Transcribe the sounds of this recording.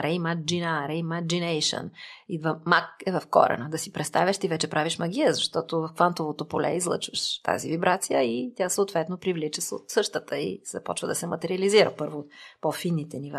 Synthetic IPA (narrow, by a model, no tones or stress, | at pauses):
ɾɛjmad͡ʒinaɾɛmad͡ʒinɛjʃə̰nivɐmakɛvɐfkɔ̰ɾɛ̰nəd̪ɐsipɾɛt̪st̪avʲɐʃt̪ivɛt͡ʃɛpɾaviʃmɐɡ̟ʲiɛzɐʃt̪ɔt̪ovɐfkvant̪ovot̪opolɛ̰izlˠɤ̰t͡ʃvəʃt̪a̰zivibɾʔat̪sijəit̪ʲjasəot̪vɛt̪nopɾivlit͡ʃəso̰t̪sɤʃt̪ət̪əḭz̥ɐpɔt͡ʃvəd̪ɐsɛmɐt̪ɛɾiɐliziɾə̰pɤɾvot̪pofinːit̪ɛniva